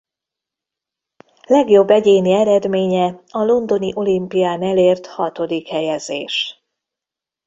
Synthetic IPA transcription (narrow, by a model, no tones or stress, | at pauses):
lɛɡjo̞bːɛɟeːniɛɾɛd̪meːɲɛɒlo̞nd̪o̞niʔo̞limpijaːnɛleːrt̪hɒt̪o̞d̪ikhɛjɛzḛːʃ